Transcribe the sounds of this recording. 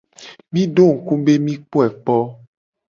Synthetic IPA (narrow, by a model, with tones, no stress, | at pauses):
mĩ˦ɖo˦˨ŋ̩˨kũ˦be˦mĩ˦k͡po˦ɛ˨k͡pɔ˦